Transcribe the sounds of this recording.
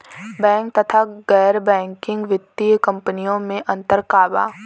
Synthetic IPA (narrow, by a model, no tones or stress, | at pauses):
bɛ̃ːŋk̚t̪ɐt̪ʰaɡɛːɾbɛ̃ːŋkɪ̃ŋɡʋɪt̪ːijkɐ̃mpənijõmẽʔɐ̃nt̪əɾkaːba̰ː